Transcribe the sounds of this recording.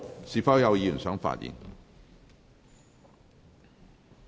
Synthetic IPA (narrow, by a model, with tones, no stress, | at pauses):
si˨˩fa˥wjɐ˨˧wji˨˧˨nsœ˨˥ŋfa̰˨˩tjḭ˨˥ŋ